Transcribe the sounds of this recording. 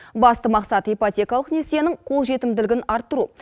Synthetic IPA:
bɑst̪əmɑqsɑt̪ijpot̪ʲe̞kɑlˠəqne̞se̞nɪɴqʰo̞lˠʒe̞t̪ɪmd̪ɪlɪɡʲɪnɑɾt̪ːəɾu

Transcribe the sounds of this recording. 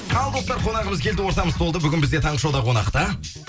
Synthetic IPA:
qʰɑlˠd̪o̞st̪ɑɾqʰo̞nɑʁəməzkʲʰe̞ld̪ɪwo̞ɾt̪ɑməzt̪ʰolˠd̪əbʏɡʲɪnbɪzd̪et̪ʰɑɴʁəʃɑwd̪ɑqʰo̞nɑ̰qt̪ɑ

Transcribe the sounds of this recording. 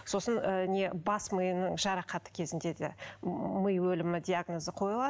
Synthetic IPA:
so̞sənəne̞bɑsməjənəɴʒɑɾɑqɑt̪ə̥kʲʰe̞zɪnd̪e̞d̪ḛməjwɵlɪmɪd̪ʲiaɡnozəqʰo̞jəlˠɑ

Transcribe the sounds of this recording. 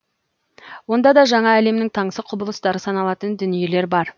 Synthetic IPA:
wo̞nd̪ɑd̪ɑʒɑɴɑæle̞mnɪŋt̪ʰɑɴsəqʰʊbəlˠəst̪ɑɾəsɑnɑlˠɑt̪ənd̪ʏnije̞le̞ɾbɑɾ

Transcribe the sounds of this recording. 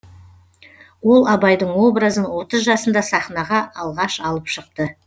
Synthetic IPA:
wo̞lˠɑbɑjd̪əɴwo̞bɾazənwo̞t̪əzʒɑsənd̪ɑsɑχnɑʁɑʔɑlˠʁɑʃɑlˠəpʃəq̚t̪ə

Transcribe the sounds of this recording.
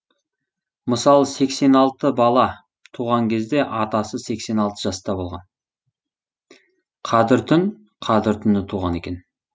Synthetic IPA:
məsɑlˠəse̞kse̞nɑlˠt̪əbɑlˠɑ | t̪ʰuʁɑŋkʲʰe̞zd̪e̞ʔɑt̪ɑsəse̞kse̞nɑlˠt̪əʒɑst̪ɑbo̞lˠʁɑ̰n | qʰɑd̪ɪɾt̪ʰʏn | qʰɑd̪ɪɾt̪ʰʏnɪt̪ʰuʁɑne̞̰kʲe̞n

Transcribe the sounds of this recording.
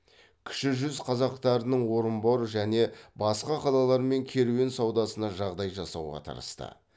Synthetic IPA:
kʲʰʏ̥ʃɪʒʏzqʰɑzɑqt̪ɑɾənəɴwo̞ɾəmbo̞ɾəʒæne̞bɑsqɑqʰɑlˠɑlˠɑɾme̞ŋkʲʰe̞ɾuwensɑwd̪ɑsənɑʒɑʁd̪ɑjʒɑsɑwʁɑ̰t̪ʰɑ̰ɾə̰st̪ə̰

